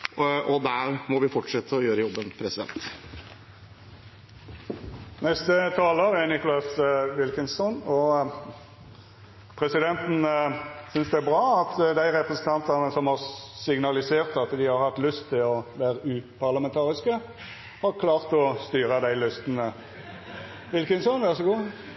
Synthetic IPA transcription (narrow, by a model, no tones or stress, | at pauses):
ɔd̪æɾmɔʋɪfɔʈʂɛt̪ʰːəɔjøːɾəjɔbːənpʰɾɛsɪd̪ɛ̰nt̪ | nɛst̪ət̪ʰɑːləɾɛnɪkʊlɑsʋɪlkənsɔnɔ | pʰɾɛsɪd̪ɛnt̪n̩sʏnsd̪ɛæɾbʁɑːɑt̪d̪æɪʁɛpʁəsən̩t̪ʰɑnt̪ɑʁnəsɔmhɑʁsɪɡnɑlɪseːʁt̪ɑt̪d̪ɪhɑɾhɑt̪lʉst̪ʰːɪlɔʋæːɾəʉːpʰɑʁlɑmɛnt̪ʰɑːʁɪskə | hɑʁkʰlɑːʁt̪ɔst̪yːʁəd̪æɪlʏst̪nə | ʋɪlkənsɔnʋæʁsɔɡuː